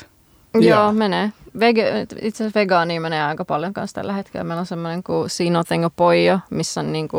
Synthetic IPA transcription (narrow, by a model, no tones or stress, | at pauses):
joːmeneːʋeɡḛt̪it̪ssʋeɡɑːniːmeneːɑikɑpɑljoŋkɑ̰nst̪æ̰lːæhet̪kḛlːæ̰meilonsemːoneŋkusiːnoθeŋɡopoijɑmisːonniːŋku